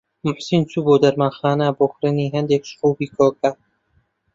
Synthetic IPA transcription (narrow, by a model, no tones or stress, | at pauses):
mʊħsint͡sʰuboːd̪ɐɾmanxɑːnaboːxɾɨniːɦɛnd̪ekʃxuːbiːkʰoːkʰɐ